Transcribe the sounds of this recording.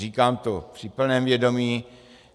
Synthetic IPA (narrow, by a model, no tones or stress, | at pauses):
iːkaːmt̪opr̥ɪpl̩nɛːmvjɛdo̞miː